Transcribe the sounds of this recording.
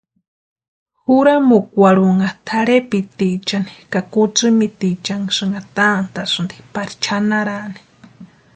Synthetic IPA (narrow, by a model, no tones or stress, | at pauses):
huɾamukʷaɾuŋat̪ʰaɾepit̪it͡ʃani̥kakut͡sɨmit̪it͡ʃaŋsɨŋɡat̪ant̪asɨnd̪i̥paɾi̥t͡ʃʰanaɾani̥